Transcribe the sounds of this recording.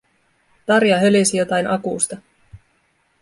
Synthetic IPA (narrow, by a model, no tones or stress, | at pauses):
t̪ɑɾjɑɦølisijo̞t̪ɑjnʔɑkuːst̪ɑ